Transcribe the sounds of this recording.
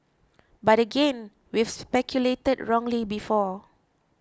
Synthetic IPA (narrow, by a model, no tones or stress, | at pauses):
batəɡẽn | wifspɛkʰjuletədɹɔ̃ŋlibifɔ